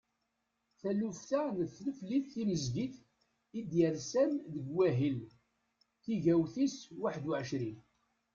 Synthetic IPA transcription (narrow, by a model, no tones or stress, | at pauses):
θælufθanəθləfliθːiməzɡiθ | id̪jəɾsænðəɡwæɦəl | θiʝæwθiswaħd̪ʊʕəʃɾi